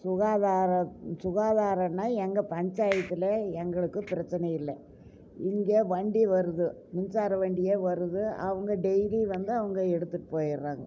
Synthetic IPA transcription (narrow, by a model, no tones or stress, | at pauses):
sʊɣaːðaːɾɐsʊɣaːðaːɾɐnːaːɛŋɡɐpɐɲd͡ʒaːjɐt̪ːɯlɐɛŋɡɐɭɯkːɯpɪɾɐt͡ʃːɐnɐjɪlːɐ | ɪŋɡeːʋɐɳɖiʋɐɾɯðɯmɪnsaːɾɐʋeːɳɖɪjeːʋɐɾɯðɯɐʋɐŋɡɐɖɛjliʋɐnd̪ɯɐʋɐŋɡɐɛɽɯt̪ːɯʈːɯ̥poːjɪɾːaːŋɡɐ